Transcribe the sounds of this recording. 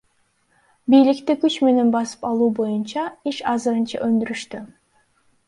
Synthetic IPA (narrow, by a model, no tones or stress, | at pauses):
bijlikt̪ikyt͡ʃme̞ne̞nbɑsɯ̥pɑlˠuːbo̞junt͡ʃɑiʃɑzɯɾɯnt͡ʃɑ̰ʔønd̪yɾyʃt̪y